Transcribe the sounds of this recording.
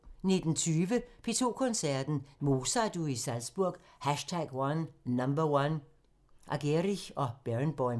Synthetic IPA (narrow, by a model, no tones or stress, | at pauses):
ne̝d̥n̩t͡sʰyːʋəpʰe̝t͡sʰo̝̰ːkʰɔnsæɐ̰d̥n̩mo̝ːsɑd̥uisælsb̥uɐɡ̥ | hæʃtʰæɡ̥wɑnːɑmbɐwan | ʔɑɡ̥eʁiɒ̽b̥eʁnb̥ɒɪ